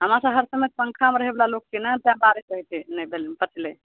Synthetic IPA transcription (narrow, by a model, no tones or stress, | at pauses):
ɦəmaɾsəbɦəɾsəmet̪̚pəŋkʰameɾəɦeblalok̚kinɛt̪ãbaɾisɾəɦt̪ʰinə̃bʱelinpət͡ʃʰle